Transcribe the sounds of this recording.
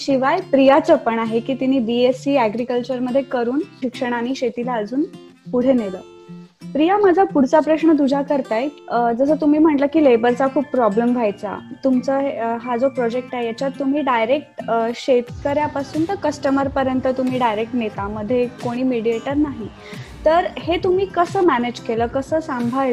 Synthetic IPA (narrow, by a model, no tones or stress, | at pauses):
ɕiʋajpɾijat͡səpəɳaɦekiːt̪iniːbiesiːæɡɾikəlt͡ɕəɾməd̪ʱːjekəɾuːnɕikʂəɽ̃aniːɕet̪ilaəd͡zuːn | puɽ̤enelə̰ː | pɾijamad͡zʱapuɽ̤t͡sapɾəɕɳəd̪ud͡ʑʱakəɾt̪ajd͡zəsəːt̪um̤iːm̤əɳʈləːkiːlebəɾt͡sakʰuːppːɾɔblemʋʱajt͡sa̰t̪umt͡səːɦeɦad͡zopɾɔd͡ʑek̚ʈajjat͡ɕjat̪ːum̤iːɖajɾek̚ʈɕet̪kəɾjapasuːnt̪əkəsʈəməɾpəɾjənt̪ət̪um̤iːɖajɾek̚ʈnet̪aməd̪ʱːjekoɽ̃iːmiɽieʈəɾnaɦi | t̪əɾhet̪um̤iːkəsəːmæned͡ʑkeləːkəsəːsambʱaj